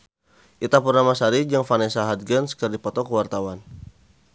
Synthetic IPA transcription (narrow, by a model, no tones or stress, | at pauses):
ʔit̪apurnamasaɾid͡ʒaŋfanɛsaɦad̪̚ɡənsə̥kərdipɔt̪ɔkəwart̪awan